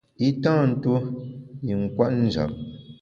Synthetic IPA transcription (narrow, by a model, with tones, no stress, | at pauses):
i˦tãː˦˨n̩˦tu˦ji˨ŋ̩˨kwa˦ʔn̩˦d͡ʒa̰˨p̚